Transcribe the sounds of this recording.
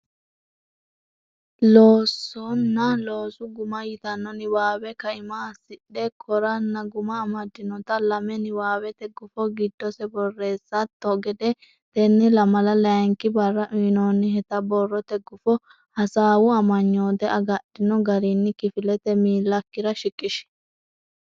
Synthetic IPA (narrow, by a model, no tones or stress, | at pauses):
loːsːɔnːɐlo̞ːsʊɡʊmɐjɪt̪ɐnːɔnɪwaːwɛkɐɪmaːsɪɗɛkʰɔɾɐnːɐɡʊmɐːmɐd̪ːɪnɔt̪ɐlɐmɛnɪwaːwɛt̪ɛɡːʊfɔɡɪd̪ːɔsɛbɔrːe̞ːsːɐt̪ːɔɡɛd̪ɛ | t̪ɛnːɛlɐmɐlɐlɐŋkɪbɐrːɐʔʊnoːnːɪɦɛt̪ɐbɔrːɔt̪ɛɡːʊfɔ | hɐsaːwʊɐmɐɲːo̞ːd̪ɛɐɡɐɗɪnɔɡɐɾinːɪkɪfɪlɛt̪ɛmiːlːɐkːɪɾɐʃɪkʼːɪʃɛ̥